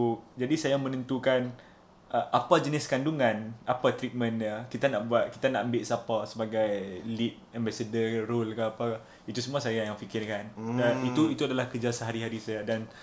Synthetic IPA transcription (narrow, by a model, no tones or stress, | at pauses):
d͡ʒadisajamənənt̪ukan | əʔapad͡ʒənɪskanduŋãnapat̪ɾit̪̚mə̃nakit̪anaʔbuat̪̚kit̪ana̰ʔəmbɪʔsapasəbaɡajlit̪̚ɛmbasədərolkaapa | it̪usəmũasajajaŋfikɪrkanəit̪uit̪uadalahkəd͡ʒasəɦaɾiɦaɾisajadan